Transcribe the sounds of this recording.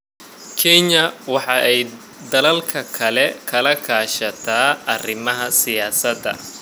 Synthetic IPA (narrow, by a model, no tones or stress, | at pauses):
kʰɛɲɐwɑħɑʔɛj | d̪ɐlɐlkʰɐkʰɐlɛkʰɐlɐkʰaːʃɐt̪ʰaːɐrɪmɐɦɐsɪjaːsɐd̪ɐ̰